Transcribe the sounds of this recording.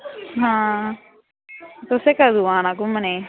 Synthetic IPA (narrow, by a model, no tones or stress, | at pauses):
ɦãː | t̪ʊsekəd̪uaːnãkuməne